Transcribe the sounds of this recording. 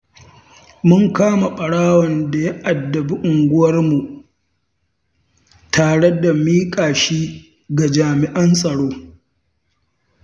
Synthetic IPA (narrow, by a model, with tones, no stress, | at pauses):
mʊ˦ŋkaː˦ma˨ɓʼɐ˨ɽaː˦wɐ˨nda˨ja˦ʔa˨dːɐ˨bi˦ʔʊ˨ŋɡʷʊ˦wɐ˦rmu˨ | tʰaː˨ɽe˦da˨miː˦kʼaː˨ʃiː˦ | ɡa˨d͡ʒaː˨mɪ˨ʔɐ˦nsʼɐ˨ɽoː˦